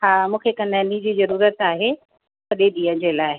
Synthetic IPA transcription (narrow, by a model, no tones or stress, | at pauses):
haːmũːkʰekɐ̃nənid͡ʑiːzɐɾuːɾət̪aːɦe | sɐɗeɗĩːə̃d͡ʑelaːɪ